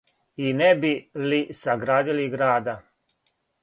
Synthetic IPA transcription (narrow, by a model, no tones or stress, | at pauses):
inɛbilisaɡɾaːd̪iliɡɾaːd̪a